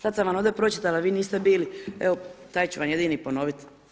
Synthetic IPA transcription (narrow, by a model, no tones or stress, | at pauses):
sad̪samʋano̞ːd̪epɾo̞t͡ɕit̪alaʋiːniːst̪ebiːlieot̪aːjt͡ɕuʋanje̞d̪iːnipo̞no̞ːʋit̪